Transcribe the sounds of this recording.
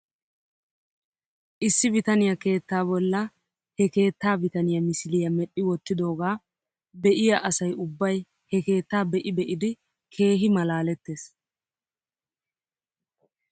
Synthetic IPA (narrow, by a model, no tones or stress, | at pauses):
ʔɪsːɪbɪt̪ɐnɪjɐke̞ːt̪ːaːbɔlːɐ | hɛke̞ːt̪ːaːbɪt̪ɐnɪjɐmɪslɪjɐmɛɗːɪwɔt̪ːɪd̪o̞ːɡaː | bɛʔɪjɐʔɐsɐjʊbːɐj | hɛke̞ːt̪ːaːbɛʔɪbɛʔɪd̪ɪ | kʰe̞ːɦɪmɐlaːlɛt̪ːe̞ːs